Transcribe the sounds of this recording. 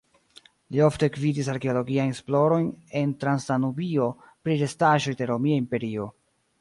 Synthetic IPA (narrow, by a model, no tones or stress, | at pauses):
lio̞fte̞kvidis̬aɾke̞olo̞ɡiajnsplo̞ɾo̞jne̞ntɾansanubio̞ | pɾiɾe̞staʒo̞jde̞ɾo̞miaimpe̞ɾio̞